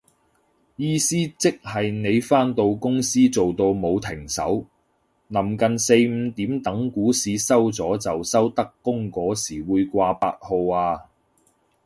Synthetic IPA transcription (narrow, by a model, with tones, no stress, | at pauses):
jiː˥siː˥t͡sɪ˥k̚hɐ˨jne˨˧jfaː˥nt̪o˧wkʊ˥ŋsiː˥t͡so˨wt̪o˧wmo˨˧wt̪ʰɪ˨˩ŋsɐ̰˨˥w | nɐ˨˩mkɐ˨nse˧jm̩˨˧t̪iː˨˥mt̪ɐ˨˥ŋkuː˨˥siː˨˧sɐ˥wt͡sɔː˨˥t͡sɐ˨wsɐ˥wt̪ɐ˥kːʊ˥ŋkɔː˨˥siː˨˩wuː˨˧jkʷaː˧pa̰ː˧t̚ho˧waː˧